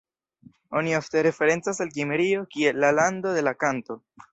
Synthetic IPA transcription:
o̞nio̞fte̞ɾe̞fe̞ɾe̞nt͡sasalɡimeɾio̞kie̞lːalando̞de̞lakanto̞

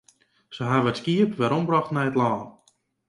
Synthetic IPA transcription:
səɦaʋətskiəpʋɛɾɔmbrɔxtnɛjətlaːn

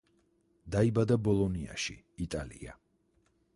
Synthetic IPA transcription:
d̪aibad̪abɔlˠɔnia̰ʃḭːt̪ʼalḭa̰

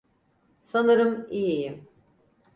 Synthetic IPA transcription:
sanɯɾɯmijijim

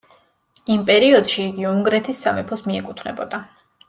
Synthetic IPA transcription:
impʼɛɾiɔd̪̥ʃiːɡiuŋɡɾɛt̪ʰisːamɛpʰɔsmiɛkʼut̪ʰvnɛ̰bɔd̪̥a

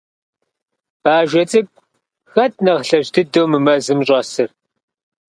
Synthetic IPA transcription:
b̥aːʒʷɐt͡sʼɨk̚ʷ | xɐt̚ʰʼnɐʁɬɐʒdɨdowmɨmɐzɨmɕʼɐsɨr

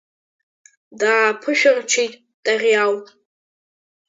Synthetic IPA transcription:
daːpʰɨʃᶣart͡ʃʰejtʼ | d̥ʼaʁʲjawʼ

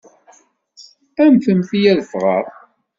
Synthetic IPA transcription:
æmθəmθijæðəfʁə̰ʁˤ

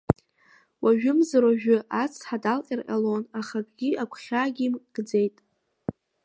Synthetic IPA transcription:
waʒᶣʊmzaɾaʒᶣʊʔat͡sʰħadalqʼirqʲʼa̰lo̞naχakʼɡʲiakʷʰχʲaɡʲimɡ̥d͡ze̞jtʼ

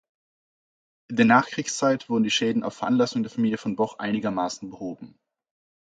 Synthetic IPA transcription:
ʔɪndeːɐnaːχkʁ̥iːkst͡saɪtv̥ʊɐdn̩diːʃɛːdn̩ʔa̰ʊfːɛɐʔanlasʊŋdeːɐfamiːljəfɔnbɔχʔa̰ɪnɪɡɐmaːsn̩bəhoːbm̩

